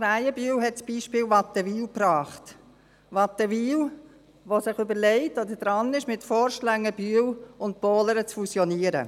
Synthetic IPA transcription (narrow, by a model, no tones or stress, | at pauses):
ɾæɪəbyəwɦɛtt͡sb̥iːʃpɪːlʋɑt̪əʋiːlpɾɑːχt | ʋɑtəʋiːl | ʋosɪχøbəɾlɛɪtod̪əd̥ɾɑnɪʃmɪtfɔːɾʃlæŋːəbyːəwʊnt̚b̥oːləɾət͡sfusjɔniːəɾə̰